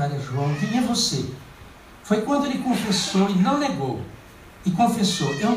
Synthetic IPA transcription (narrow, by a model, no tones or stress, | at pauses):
alɐʒuɐ̃w̃vĩɐvose | fojkwɐ̃d̪ʊelɪkõfesowɪnɐ̃w̃neɡow | ɪkõfesowʔew